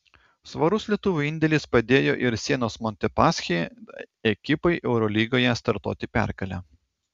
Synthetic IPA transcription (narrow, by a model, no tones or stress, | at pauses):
sʋɐɾʊslʲiɛt̪ʊʋʲuɪnʲd̪ʲɛlʲɪspɐd̪ʲeːjo̰ːʔɪɾsʲiɛnoːsmɔnʲt̪ʲɛpɑːsʲxʲeː | ɛkʲɪpɐɪʔɛʊɾɔlʲiːɡoːjɛst̪ɐɾt̪o̰ːt̪ʲɪpʲæ̰ˑɾkɐlʲæː